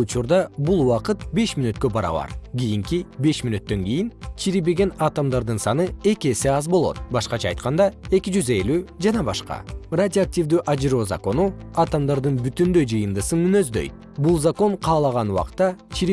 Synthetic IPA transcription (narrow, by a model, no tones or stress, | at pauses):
ut͡ʃuɾd̪ɑbulˠwɑqɯt̪̚be̞ʃminøt̪̚kø̞bɑɾɑ̰βɑ̰ɾɡʲijiŋkibe̞ʃminøt̪ːø̞ŋɡʲijint͡ʃʰiɾibe̞ɡe̞nɑt̪amd̪ɑɾd̪ɯnsɑnɯe̞kʲie̞se̞ɑzbo̞lˠo̞̰t̪̚bɑʃqɑt͡ʃʰɑɑjt̪̚qɑnd̪ɑe̞kʲid͡ʒyze̞lyːd͡ʒɑnɑbɑʃqɑ̰radʲɪok̚tʲivd̪yːʔad͡ʒɾo̞ːza̰ko̞nuɑt̪amd̪ɑɾd̪ɯnbyt̪ynd̪ø̞jd͡ʒɯjɯnd̪ɯsɯnmynø̞zd̪ø̞̰jt̪̚ | bulˠzako̞ɴqʰɑːlˠɑʁɑnuwɑ̰qt̪ːɑt͡ʃʰiɾ